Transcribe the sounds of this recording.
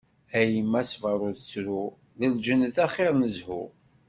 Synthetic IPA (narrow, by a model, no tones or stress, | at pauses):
æjəmːæsvəɾˤʊðt͡sːɾu | ðəld͡ʒənːəθæχeɾˤnəzhʊ̰